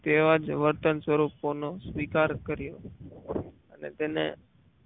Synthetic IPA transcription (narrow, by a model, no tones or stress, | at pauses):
t̪eʋad͡ʒʋəɾt̪ənsʋəɾuponosʋikaɾkəɾjo | ənḛt̪enḛ